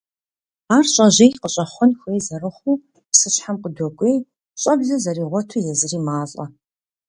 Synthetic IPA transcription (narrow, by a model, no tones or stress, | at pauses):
aːrɕʼɐʑejqəɕʼɐχʷɔnxʷeːjzɐrɨχʷuː | psɨɕħamqədʷɔɡʷʼeːj | ɕʼɐbɮɐzɐriːʁʷɔtʰujɛzɨriːmaːɬʼɐ̰